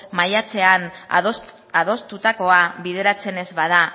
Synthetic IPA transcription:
majat͡se̞an | að̞o̞st̪ut̪ako̞aβið̞e̞ɾat͡se̞ne̞zβað̞a

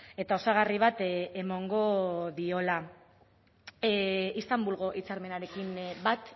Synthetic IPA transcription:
e̞t̪ao̞saɣ̞ariβ̞at̪emo̞ŋɡo̞ðio̞la | ist̪ambulɣo̞ʔit͡saɾme̞naɾe̞kimbat̪

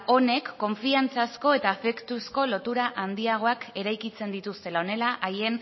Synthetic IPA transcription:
o̞ne̞kːo̞ɱfiant͡sasko̞e̞t̪aːfe̞kt̪usko̞lo̞t̪uɾaʔand̪iaɣ̞o̞ake̞ɾajkit͡se̞nd̪it̪ust̪e̞lao̞ne̞laʔaje̞n

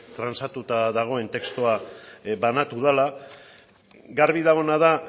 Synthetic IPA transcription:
t̪ɾansat̪ut̪aðaɣ̞o̞e̞nt̪e̞kst̪oabanat̪uð̞ala | ɡaɾβiðaɣo̞naða

